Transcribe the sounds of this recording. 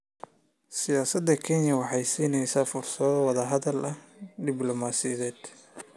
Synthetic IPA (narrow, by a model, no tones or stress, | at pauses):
sɪjaːsɐd̪ːɐkʰɛnjɐwɑħɑjsiːnɛjsaːfʊrsɐðɔwɑðɐɦɐðɐlʔɐd̪ɪblɔmaːsɪjɐðɛːd̪̥